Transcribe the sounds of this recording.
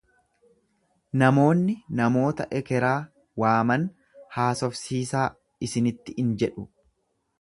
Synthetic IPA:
nɐmo̞ːnːɪnɐmo̞ːt̪ɐʔɛkɛɾaː | waːmɐn | haːsɔfsiːsaː | ɪsɪnɪt̪ːɪɪnd͡ʒɛᶑʊ

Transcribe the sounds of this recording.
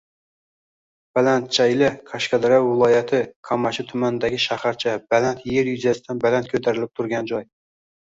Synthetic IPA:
b̥ɛlɛnt̪̚t͡ʃʰɛjlɪkʰɑʃkɑd̪ɨɾɑwwɨlˠɑːjɛt̪ʰɨkʰɑmɑʃit̪ʰymænd̪ɛkʲʰiʃɑχæɾt͡ʃʰɛbɛlɛnt̪jeɾjyzɛsɪ̥t̪ʰɛnbɛlɛnt̪̚kʲʰøt̪ʰæɾɪlɪp̚t̪ʰuɾɡʲɛnd͡ʒoj

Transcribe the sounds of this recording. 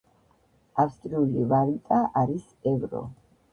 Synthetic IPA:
afst̪ʼɾiulivaɾit̪ʼaʔaɾis | ɛvɾɔ̰

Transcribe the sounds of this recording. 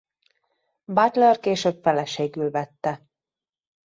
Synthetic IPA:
bɑt̪lɛrkeːʃøːpfɛlɛʃeːɡylvɛt̪ːɛ

